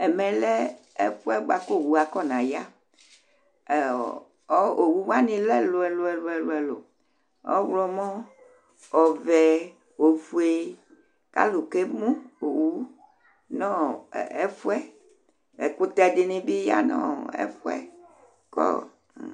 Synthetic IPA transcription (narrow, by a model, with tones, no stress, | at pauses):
ɛ˨mɛ̃˨lɛ˦ | ɛ̰˦fu˦ɛ˦ɡ͡ba˨ko˦˨wu˨a˨kɔ˦˨nã˨ja˦˨ | ɔ˦o˨wu˦wa˦nĩ˨lɛ˦lo˨ɛ˨lo˨ɛ˨lo˨ɛ˨lo˨ɛ˨lo̰˨ | ɔ̰˦wlɔ˦mɔ̃˦ | ɔ˨vɛ˨ | o˨vu˨e˨ | ka̰˦lu˨ke˦mũ˦o˨wu˦ | nɔ̃˦˨ɛ˦fu˦ɛ˦ | e˨ko˦t̪ɛ˨de˨nĩ˨bi˦ja̰˦nɔ̰̃˦ɛ̰˦fu˦ɛ̰˦ | kɔ̰˦˨